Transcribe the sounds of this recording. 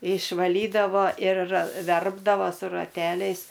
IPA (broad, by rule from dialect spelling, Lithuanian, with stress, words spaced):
ɪʃʋɐˈlʲiːdɐʋoː ɪr ˈʋʲɛrbdɐʋoː sʊ rɐˈtʲæːlʲɛɪs